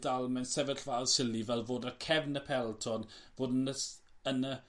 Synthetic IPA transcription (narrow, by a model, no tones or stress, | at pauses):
dalˠmɛnsɛvəɬv̥aːlˠsɪlˠivɛlˠvoːdəkʰɛvnəpʰɛlˠtʰɔnvoːdənəənə